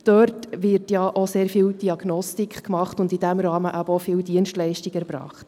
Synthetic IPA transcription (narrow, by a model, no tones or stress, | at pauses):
d̥øɾtʋɪɾtjɑʔoseːɾfiːld̥iɑɡ̥nɔstikχkmɑχtʊndid̥æmɾɑːməʔæbəofiːldiənʃtlɛɪʃtiɡɛɾbɾɑ̰ːχt